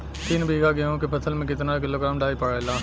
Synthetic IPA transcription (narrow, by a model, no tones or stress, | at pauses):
t̪iːnbʱiːɡaɡeõkepʰɐt̪ʰəlmẽkɪt̪nak̬ɪloːɡɾaːmɖaːipɐɽɪlãː